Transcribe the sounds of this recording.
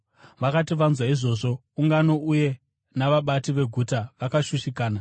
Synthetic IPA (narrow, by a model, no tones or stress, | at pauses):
ʋakatiʋanzwaiʐo̞ːʐo̞ | uŋɡano̞uje̞ | naʋaɓatiʋe̞ɡʱutaʋakaʃuʃikaːna